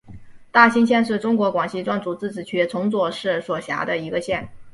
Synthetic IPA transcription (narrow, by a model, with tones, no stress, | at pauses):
t̪a˥˩ɕi˥nɕʰjɛ˥˧nʂɻ̩˥˩ʈ͡ʂʊ˥ŋkwɔ˧˥kwɑ˨˩ŋɕi˥˧ʈ͡ʂwa˥˩nt͡su˨˩t͡sɹ̩˥˩t͡sɹ̩˨˩t͡ɕʰy˥t͡sʰʊ˧˥ŋt͡swɔ˥˩ʂɻ̩˥˩swɔ˨˩ɕja̰˧˥d̪ə˧i˧˥ɡə˧ɕjɛ˥˩n